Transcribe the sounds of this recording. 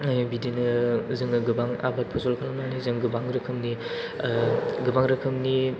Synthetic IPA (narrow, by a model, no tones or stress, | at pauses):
bidinɯzɯŋɯɡɯbaŋa̰bat̚pʰɔzɔlkʰlamnanizɯŋɡɯbaŋɾɯkʰɯmni | ɡɯbaŋɾɯkʰɯmni